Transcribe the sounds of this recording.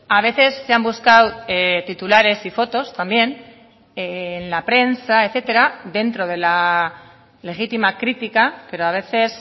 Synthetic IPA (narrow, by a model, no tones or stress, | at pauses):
aβ̞e̞θe̞sːeambuskawet̪it̪ulaɾe̞sifo̞t̪o̞st̪ambje̞n | enlapɾe̞nsaeθe̞t̪e̞ɾaðe̞nt̪ɾo̞ð̞e̞la | le̞xit̪imakɾit̪ikape̞ɾoaβ̞e̞θe̞s